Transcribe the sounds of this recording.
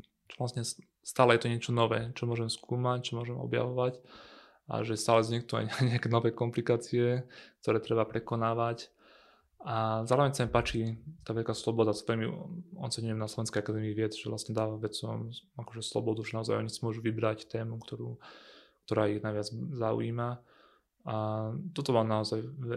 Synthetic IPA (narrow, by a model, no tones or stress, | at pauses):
t͡ʃɔʋlasɲɛ | st̪aːlɛjɛt̪ɔɲɪɛt͡ʃɔnɔʋɛːt͡ʃɔmʊɔʒɛmskʰuːmac̚t͡ʃɔmʊɔʒɛmɔ̰bja̰ʋɔʋac | ʔa̰ʒɛst̪aːlɛzɲɛk̚t̪ɔa̰ɲɲɛakɛːnɔʋɛːkɔmplikaːt͡siɛk̚t̪ɔɾɛːt̪ɾɛbapɾɛkɔnaːʋac | ʔazaːɾɔʋɛɲsamipaːt͡ʃit̪aːʋɛʎkaːslɔbɔd̪at̪t̪ɔɾimiɔ̰t͡sɛɲujɛmnaslɔʋɛnskɛjakad̪ɛːmiːʋɪɛd͡zʒɛʋlʔa̰st̪ɲɛd̪aːʋaʋɛt͡sɔmakɔʒɛslɔ̰bɔd̪uʒɛnaɔzajɔ̰ɲit͡smʊɔʒuʋibɾact̪ɛːmukt̪ɔɾṵːk̚t̪ɔɾaːiɣnajʋɪad͡zzaṵḭːma | at̪ɔt̪ɔmaːnaɔzajɛ